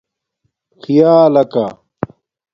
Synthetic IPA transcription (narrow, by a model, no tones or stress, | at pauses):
xʰijaːlɐka